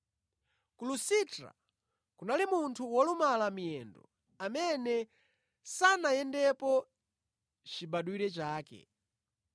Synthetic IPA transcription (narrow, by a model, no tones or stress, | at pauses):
kulusitɾa̰ | kunalimuntʰuwɔlumalamijɛndɔ̰ | amɛnɛ | sanajɛndɛpɔ | t͡ʃiɓaɗuwiɾɛt͡ʃaːkɛ̰